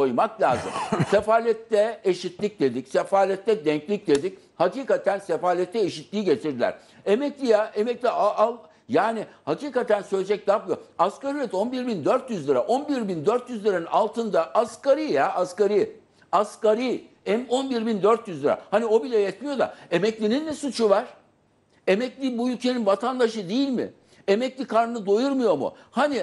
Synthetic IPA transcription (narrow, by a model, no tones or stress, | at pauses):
o̞jmaklʲa̰ːzɯ̰msefaːlʲɛt̪ʰːɛeʃit̪lʲic̚d̪e̞d̪icsefaːlʲɛt̪ʰːɛd̪ɛɲclʲic̚d̪e̞d̪ic | haciːkat̪ʰænsefaːlʲɛt̪ʰːɛeʃit̪lʲiːɟe̞t̪ʰiɾd̪ilʲæ̰ɾ̥ | emɛclʲijaʔemɛclʲiaʔalˠ | jaːnihaciːkat̪ʰænsølʲed͡ʒɛc̪̚ʲapmˠijoaskaɾijɛt̪o̞nbiɾbind̪øɾt̪jyzlʲˠiɾa̰ʔo̞nbiɾbind̪øɾt̪jyzlʲˠiɾanɯnalˠt̪ʰɯnd̪aʔaskaɾijaaskaɾi | askaɾi | ɛmo̞nbiɾbind̪øɾt̪jyzlʲˠiɾa̰hanio̞bilʲɛjɛt̪mijo̞d̪a̰e̞mɛclʲinind̪ɛsut͡ʃʰuvaɾ̥ | e̞mɛclʲibuylʲcʰe̞ninvat̪ʰand̪aʃɯd̪ejilʲmɪ̰ | e̞mɛclʲikʰaɾnɯnɯd̪o̞juɾmujo̞mʊ̰ | hani